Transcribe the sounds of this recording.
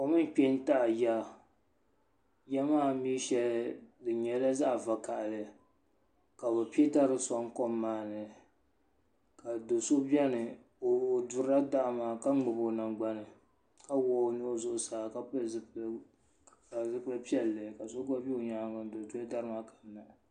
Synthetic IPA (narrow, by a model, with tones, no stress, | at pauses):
o˨mɨ˦n˦k͡pe˦n˦ta˦˨ja˦ | jɛ˦maː˦˨mi˦ʃɛ˨ldɨ˨ɲɛ˨la˦za˦˨va˨ka˨ʔlɨ˨ | ka˨bɛ˨pi˦ta˦ɾɨ˨sɔ˦ŋ˦kɔ˦mːaː˨˦˨nɨ˨ | ka˨do˨so˦bʲɛ˦nɨ˨ | o˨dʊ˨ɾa˦da˦ʔmaː˨ka˦ŋ͡mɨ˨bo˨na˨ŋɡ͡ba˦nɨ˨ | ka˦wɔː˦nɨ˦o˦zʊ˦ʔʊ˨saː˨˦ka˦p | ka˨zɨ˦klɨ˦pi˦ɛ˦lːɨ˨ka˨so˦ɡa˦bi˦o˨ɲa˨˦˨a˨n˦do˨tu˦a˦da˦ɾɨ˦ma˦ka˨na˨ʔ